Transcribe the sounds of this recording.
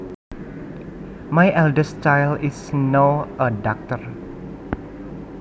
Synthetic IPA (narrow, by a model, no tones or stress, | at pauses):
majʔɛldəst͡ʃajlɪsnoʔəɖɔk̚t̪ər